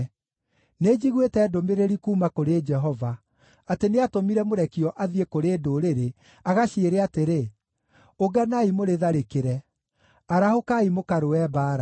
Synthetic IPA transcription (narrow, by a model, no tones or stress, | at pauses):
ned͡ʒiɣwetɛːdomeɾeɾikuːmakoɾed͡ʒɛɦɔva | ateneatomiɾɛmoɾɛkiɔʔaðiekoɾeːdoːɾeɾe | aɣaɕeeːɾeateɾe | oɡanaimoɾeðaɾekeɾɛ | aɾahokaimokaɾoɛbaːɾa